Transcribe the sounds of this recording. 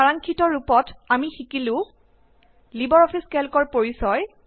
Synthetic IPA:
aɹaŋkʰitɔɹupɔtamixikilʊ̃ | libɔɹɔpʰiskɛlkɔɹpoɹisɔj

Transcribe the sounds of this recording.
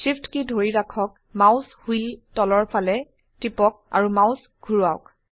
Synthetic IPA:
sipʰtkidʱoɹiɹakʰɔk̚ | mawshiltɔlɔɹpʰalɛ | tipɔk̚a̰ɹumaws | ɡʱuɹuaʊk

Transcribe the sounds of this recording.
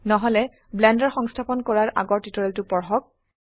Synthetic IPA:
nɔɦɔlɛ | blɛndɔɹxɔŋstʰapɔnkɔɹaɹʔa̰ɡɔɹtitɔɹɛltʊpɔɹxɔk̚

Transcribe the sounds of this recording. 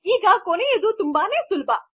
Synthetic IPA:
iːɡakonied̪ut̪umbaːnesulba

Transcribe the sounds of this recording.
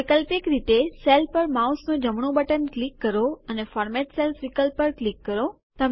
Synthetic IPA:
ɪkəlpɪkɾit̪eselpəɾmausnõd͡ʑəmɳ̃obəʈənklikːəɾoənefɔːɾmeʈselfɾikəlpːəɾklikːəɾo | t̪əm

